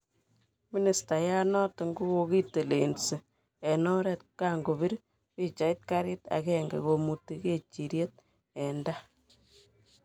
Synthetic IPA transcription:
mi˦ni˨sta˨ja˦nɔ˦tŋɡu˦ko˧ki˦te˨le˨nsi˨ | ɛ˨nɔ˦ɾɛ˨t̚ka˦ŋɡo˨bi˦ɾ | pi˦t͡ʃa˨it̚ka˦ɾɪ˦ta̰˨kɛ˦ŋɡḛ˨ko˨mu˨ti˦ke˦t͡ʃi˨ɾje˦t̚ | ɛ˨nda˦

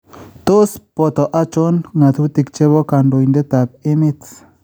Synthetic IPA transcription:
t̪o˦spɔ˨t̪ɔ˨ʔa˦t͡ʃo˦nŋa˨t̪u˦t̪i˨kt͡ʃe˦βɔ˦ka˨ndo˨jnde˦t̪a˨p̚ɪ˦mɪ˦t

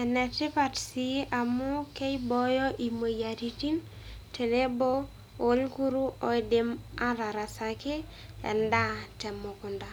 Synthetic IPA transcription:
ɛ˨nɛ˨tɪ˦pa˨tsi˦ʔa˨mʊ˦ke˦ibɔ˦jɔ˦ʔi˨mo˨ja˨ti˦ti˦n | tʰe˨ne˦bo˦ | o˨˦lku˦ɾu˦o˦i˨de˦ma˦ɾa˨ɾa˨sa˨ke˦ | ɛ̰˨nda˦tɛ˨mo˨kʊ˨nda˨

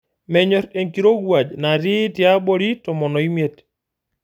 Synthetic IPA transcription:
mɛ˨ɲɔɾe˨ŋki˨ɾo˦ɡwa˨d͡ʒna˨ɾi˦tja˦bɔɾi˦tɔ˨mɔ˨nɔ˨i˦met

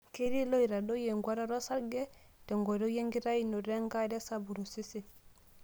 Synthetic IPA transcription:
ke˦ɾi˦lo˦i˨ɾa˨do˦je˨ŋɡwa˦ɾa˦ɾo˦sa˦ɾɡe˦ | te˨ŋɡo˨ɾo˦je˦ŋɡi˦ɾa˦i˦no˨ɾe˦ŋɡa˦˨de˦sa˨bu˨ɾu˨si˦si˨

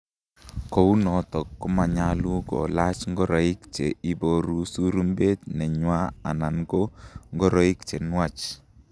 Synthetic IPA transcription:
ko˨u˦nɔ˨tɔ˨kːʊ˦ma˨ɲa˦lu˦kɔ̰˨la˦t͡ʃŋɡɔ˦ɾɔ˨i˦kt͡ʃe˨i˦bo˨ɾu˦su˦ɾu˦mbe˦tnɛ˨ɲwa˦a̰˨na˨ŋɡo˦ŋɡɔ˦ɾɔ˦i˦kt͡ʃe˨nwa˦t͡ʃ

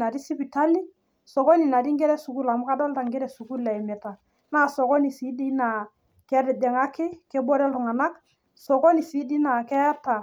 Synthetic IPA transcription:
na˨ɾi˦si˦pi˨ta˦li˦ | sɔ˨kɔ˦ni˨na˨ɾi˦ŋɡɛ˦ɾɛ˦su˨ku˦la˨mʊ˦ka˦dɔ˦lta˨ŋɡɛ˦ɾɛ˨su˨ku˦lɛ˨ɪ˨mɛ˨ta˨ | naː˦˨sɔ˨kɔ˦ni˨siː˨˦di˦na˨ | kɛ˦ɾɪ˨dɛ˨ŋa˦kɪ˦kɛ˦bɔ˦ɾɛ˦ltʊ˨ŋa˨na˦k | sɔ˨kɔ˦ni˨si˨˦di˦na˨kɛ˦ta˨

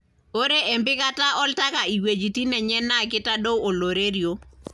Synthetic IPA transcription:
o˦ɾe˦ʔe˨mbɪ˦ka˦ta˦ʔɔ˦lta˦ka˨i˨we˨d͡ʒi˨ti˦nɛ˨ɲɛ˦nːa˦˨k̬ɪ˦ta˦do˦wo˨lo˨ɾe˦ɾjo˦

